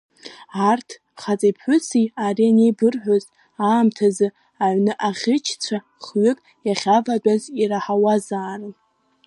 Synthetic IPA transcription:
artʰ | χat͡sʼipʰħʷʊt͡sʰiarianejbɨrħʷᶣoz | aːmtʰazɨ | aʕʷnɨʔaʁʲɪt͡ʃʰt͡sʷʰa | χɥʏkʼ | jaχʲavadʷʼaziɾaħawazaːrɨn

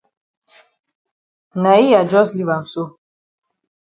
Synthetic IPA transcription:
naiad͡ʒɔzlivamsu

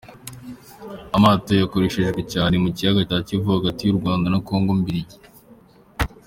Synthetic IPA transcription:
amaːto̞jako̞ɾeʃeʒɡwe̞caːne̞mucijaɡacacivuhaɡatijuɾɡwaːndanako̞ːŋɡo̞mbiɾiji

